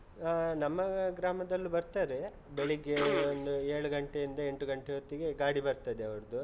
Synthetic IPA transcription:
nɐmːɐɡɾaːmɐd̪ɐlːubɐɾt̪aːɾe̞ | beɭiɡeond̪ueːɭuɡɐɳʈejind̪ɐeɳʈuɡɐɳʈeɦot̪ːiɡe̞ɡaːɽibɐɾt̪ɐd̪eɐʋɐɾɐd̪u

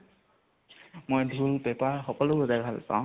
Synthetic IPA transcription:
mojdʱulpɛpaɹxɔkɔloɔzajbʱalsã̰w̃

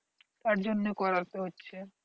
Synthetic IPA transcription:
t̪aɾd͡ʑonːekɔɾalt̪eɦotːɕʰe

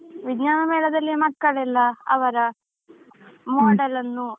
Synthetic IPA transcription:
ʋidɲaːnɐmeːlɐd̪ɐlːimɐkːɐɭɛlːɐɐ̰ʋɐɾɐ | moːɖɐlɐnːu

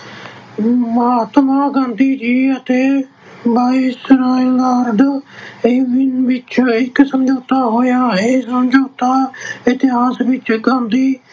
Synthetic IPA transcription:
məɦaːt̪mãːɡãːnd̪iːd͡ʒiːət̪eː | baːiːsɾaːɪŋɡaːɾd̪eːʋɪnʋɪt͡ʃɪksəmd͡ʒoːt̪aːɦoːjaːeːsəmd͡ʒoːt̪aːɪt̪ɪɦaːsʋɪt͡ʃɡãːnd̪iː

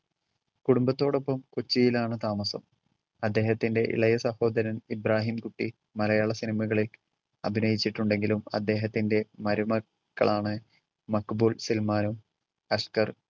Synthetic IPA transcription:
kuɽumbɐt̪ːo̞ːɽo̞pːɐmkot͡ɕːijilaːɳɨt̪aːmɐsɐ̰m | ɐd̪ːe̞ːɦɐt̪ːinde̞ʔḭɭɐjɐsɐho̞ːd̪ɐɾɐnibɾaːɦimkuʈːi | mɐlɐjaːɭɐsinimɐɣɐɭil | ɐbʱinɐjit͡ɕːiʈːuɳɖe̞ŋɡilumɐ̰d̪ːe̞ːɦɐt̪ːinde̞mɐɾumɐ | kːɐ̰ɭaːɳɨ | mɐkːbuːɭsilmaːnum | ɐʂkɐr

